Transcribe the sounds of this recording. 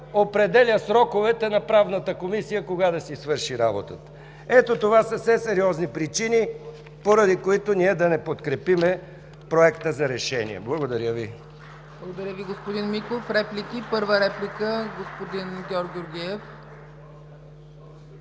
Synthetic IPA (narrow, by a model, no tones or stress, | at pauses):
opɾɛd̪ɛlʲəsɾɔkovɛt̪ɛnɐpɾavnət̪əkomisijəkoɡad̪ɐsisvɤɾʃiɾabot̪ət̪ə̥ | ɛt̪ot̪ovasəfsɛsɛɾiɔznipɾit͡ʃini | poɾɐd̪ikoit̪oniɛd̪ɐnɛpot̪kɾɛpimɛ | pɾoɛkt̪əzɐɾɛʃɛnḭɛ̰blˠɐɡod̪ɐɾʲjəvi | blˠɐɡod̪ɐɾʲəviɡospod̪inmikˠofɾɛplʲikipɤɾvəɾɛplʲikəɡospod̪inɡʲɔɾɡʲʊɾɡʲiɛf